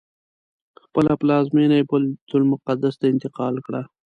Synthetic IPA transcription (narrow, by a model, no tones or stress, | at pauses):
xpəlaplɑzmenajbʊld̪ʊlmʊqad̪ast̪aɪnt̪ɪqɑlkɽa